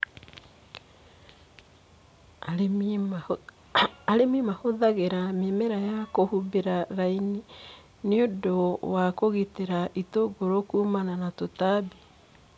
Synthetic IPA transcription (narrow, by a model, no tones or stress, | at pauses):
aɾemimahoðaɣeɾamemeɾajakohubeɾaɾaini | neodowakoɣiteɾaʔitoɡoɾokuːmananatotabe